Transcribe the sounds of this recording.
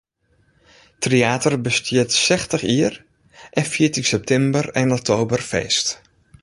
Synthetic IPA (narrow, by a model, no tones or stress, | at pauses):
treaːtərbəstɪətsɛxtəχiər | ʔɛnfiətiŋsɛp̚tʰɛmbərɛnɔk̚tʰoːbərfḛːst